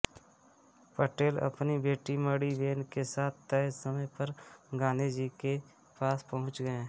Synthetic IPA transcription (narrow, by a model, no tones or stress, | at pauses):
pəʈeːlə̰pnibeːʈiməɽiʋeːnkesaːt̪̚ʰt̪ɛsəməjpəɾɡaːned͡ʒike | paːspɐɦʊ̃t͡ʃɡəẽː